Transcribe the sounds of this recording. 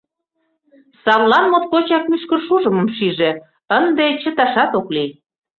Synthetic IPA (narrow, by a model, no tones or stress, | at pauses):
sɑβlɑnmot̪̚kot͡ɕɑk̚myʃkə̆rʃuʒə̆mə̆mʃiʒe | ənd̪et͡ɕə̆t̪ɑʃɑt̪okli